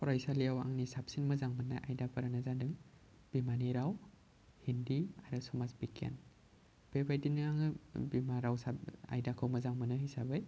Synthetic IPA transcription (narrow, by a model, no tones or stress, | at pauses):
pɔɾajsalijawa̰ŋnisapsinmɯzaŋmɯna̰ʔa̰jdapɯɾanazadɯŋ | b̥imaniɾaw | hindiaɾɯsɔmazbikʰa̰n | b̥ebajdinɯaŋɯbimaɾawsaa̰jdakʰɯwmɯzaŋmɯnɯɦisabɯj